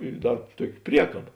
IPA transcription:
ɪ ˈdɐr ˈtuɔkʲɪ ˈpʲrʲiɛkɐbɐ

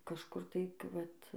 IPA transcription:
kɐʃˈkʊr tɐɪ k ˈʋɐt

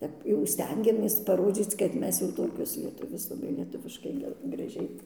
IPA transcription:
ˈtʲɛp jɛʊ ˈsʲtʲɛŋʲɡʲɛmʲeːs pɐˈroːd͡zʲiːt͡s kɐt ˈmʲɛs jɛʊ ˈtoːkʲoːs lʲiɛˈtʊʋʲeːs lˠɐˈbɐɪ lʲiɛˈtʊʋʲɪʃkɐɪ ˈɡʲɛ ɡrɐˈʒʲɛɪ

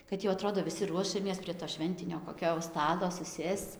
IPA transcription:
kɐt jɛʊ ɐˈtroːdoː ʋʲɪˈsʲɪ ˈruɔʃʲɛmʲeːs pʲrʲiɛ toː ˈʃʲʋʲɛnʲtʲɪnʲoː koːˈkʲoː jɛʊ ˈstɑːtoː sʊˈsʲeːst͡s

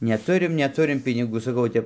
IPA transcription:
nʲɛˈtʊrʲɪm nʲɛˈtʊrʲɪm pʲɪnʲɪˈɡuː sɐˈkɐʊ oː ˈtʲɛp

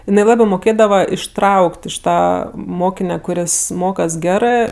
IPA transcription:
ɪˈnɐɪ ˈlˠɑːbɜ moːˈkʲeːdɐʋɐ ɪʃˈtrɐʊkʲtʲ ɪʃ ˈtɑː ˈmoːkʲɪnʲɛ kʊˈrʲɪs ˈmoːkɐs ˈɡʲæːrɜ

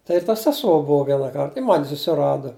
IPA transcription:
ˈtɐɪ ɪr tɐ sʲɛˈsuɔ ˈbuɔ ˈʋʲiɛnɑː ˈkɐrt ɪ ˈmɐnʲ sʊsʲɪˈrɑːdɐ

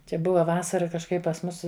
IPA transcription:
ˈt͡ʃʲɛ ˈbʊʋɐ ˈʋɑːsɐrɐ kɐʃˈkɐɪp pɐs ˈmʊs

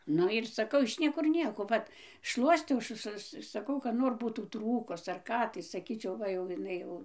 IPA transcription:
ˈnʊ ɪr sɐˈkɐʊ ɪʃ ˈnʲiɛkʊr ˈnʲiɛkoː ˈʋɐt ˈʃlˠuɔsʲtʲɛʊ ˈsʊ sʊ sɐˈkɐʊ kɐt ˈnoːr ˈbuːtuː ˈtruːkʊs ɐr ˈkɑː tɐɪ sɐˈkʲiːt͡ʃʲɛʊ ˈʋɐ jɛʊ ɪˈnɐɪ jɛʊ

